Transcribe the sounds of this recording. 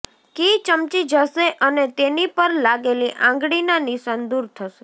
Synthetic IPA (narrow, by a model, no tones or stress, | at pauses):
kit͡ʃəmt͡ʃid͡ʒaʃeʔənet̪enipəɾlaɡeliʔãŋɡɽinaniʃand̪uɾt̪ʰəʃe